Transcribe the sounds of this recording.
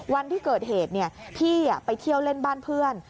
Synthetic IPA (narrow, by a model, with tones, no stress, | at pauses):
wa˧nt̪ʰiː˥˩kɤː˨˩t̪̚heː˨˩t̪̚ni˥˩əp̪ʰiː˥˩ja˨˩pa˧jt̪ʰi˥˩əwle˥˩nbaː˥˩npʰɯ˥˩ən